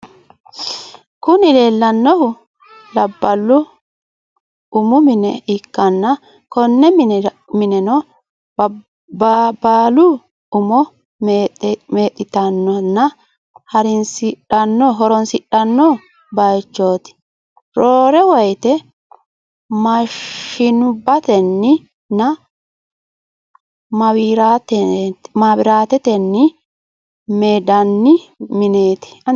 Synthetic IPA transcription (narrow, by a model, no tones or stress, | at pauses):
kʊnɪleːlːɐnːɔhʊ | lɐbːɐlːʊ | ʊmʊmɪnɛɪkːɐnːɐ | kɔnːɛm | mɪnɛnɔ | bbaːlʊ | ʊmɔ | meːt̪ʼːɪt̪ɐnːɔnːɐ | hɐɾɪnsɪᶑɐnːɔɦɔɾɔnsɪɗɐnːɔ | bɐjt͡ʃːo̞ːt̪ɪ̥ | ɾoːɾɛwɔjt̪ɛ | mɐʃɪnʊbːɐt̪ɛnːɪ | nɐ | mɐwiːɾaːt̪ɛmaːbɪɾaːt̪ɛt̪ɛnːɪ | meːd̪ɐnːɪmɪne̞ːt̪ɪ̥